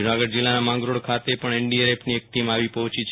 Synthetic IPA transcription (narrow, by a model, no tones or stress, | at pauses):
d͡ʒunaɡəɖd͡ʒɪlːanamãŋɡɾoɽkʰat̪epəɳɛɳɖieɾepʰniek̚ʈimaʋipɔɦt͡ʃit͡ʃʰ